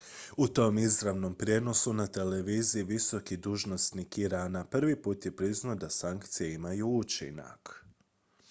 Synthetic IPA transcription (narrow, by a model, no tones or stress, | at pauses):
ut̪o̞mizɾaʋno̞mpɾje̞no̞sunat̪e̞leʋiːziiʋiso̞kid̪uːʒno̞snikiɾaːnapr̩ʋipuːt̪je̞pɾiznaod̪asaŋkt̪sijeimajuut͡ʃḭna̰k